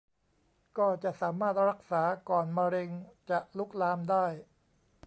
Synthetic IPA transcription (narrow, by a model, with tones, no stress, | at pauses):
kɔː˥˩t͡ɕa˨˩ʔsaː˩˦maː˥˩t̪̚ɾa˦˥k̚saː˩˦kɔː˨˩nma˧ɾe˧ŋt͡ɕa˨˩ʔluː˦˥˩k̚laː˧mdaː˥˩j